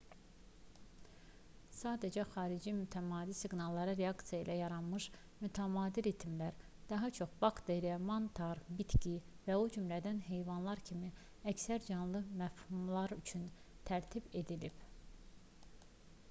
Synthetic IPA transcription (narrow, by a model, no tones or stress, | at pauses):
sɑːd̪æd͡ʒæxɑːɾid͡ʒimyt̪ʰæmɑːd̪isiɡnɑlˠːɑɾɑɾe̞ɑkt̪sijɑḭlʔæjɑɾɑnmɯʃ | myt̪ʰæmɑːd̪iɾit̪ʰimlæɾ | d̪ɑɦɑt͡ʃʰo̞χb̥ɑkd̪eɾemɑnt̪ʰɑɾbit̪ci | væod͡ʒymlæd̪ænɦe̞jvɑnlˠɑɾcʰimi | æcsæɾd͡ʒɑnlˠɯmæfhumlˠɑɾyt͡ʃʰyn | t̪ʰæɾt̪ʰibe̞d̪ilib̥